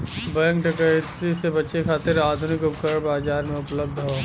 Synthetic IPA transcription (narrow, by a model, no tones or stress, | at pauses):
bɐjə̃ŋkʈɐkət̪isebɐtːʃekʰaːt̪ɪɾaːd̪ʱʊnɪkʊpkəɽbaːzaːɾmẽʊpləb̚d̪ʱɦoː